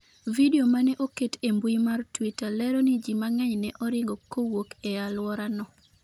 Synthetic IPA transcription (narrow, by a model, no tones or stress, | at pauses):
videomanɛʔoketembwimartwitalɛɾɔnid͡ʒimaŋɛɲnɛʔɔɾɪŋɡɔkːowokɛalwɔɾanɔ